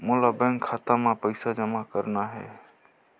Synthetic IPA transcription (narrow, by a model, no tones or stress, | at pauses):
mulabə̃ŋkʰat̪amapəɪsad͡ʒəmakəɾnaɦɛ̰